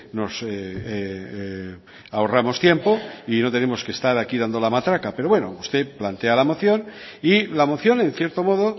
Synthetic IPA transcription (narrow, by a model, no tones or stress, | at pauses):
no̞se | aoramo̞st̪je̞mpo̞ino̞t̪e̞ne̞mo̞ske̞st̪aɾakiðand̪o̞lamat̪ɾakape̞ɾo̞βwe̞no̰ust̪e̞plant̪e̞alamo̞θjo̞nilamo̞θjo̞ne̞nθje̞ɾt̪o̞mo̞ðo̞